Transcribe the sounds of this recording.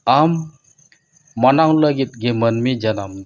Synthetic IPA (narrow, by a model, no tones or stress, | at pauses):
am | anaŋləɡit̪̚ɡemənmid͡ʒanam